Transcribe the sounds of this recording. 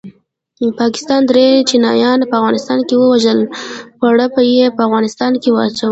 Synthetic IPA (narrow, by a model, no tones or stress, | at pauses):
pɑkɪ̥st̪ɑnd̪ɾet͡ʃinɑjɑnpəavɣɑnɪst̪ɑnkewəwaʒəlpaɽəpəjepəafɣɑnɪst̪ɑnkewəat͡ʃawə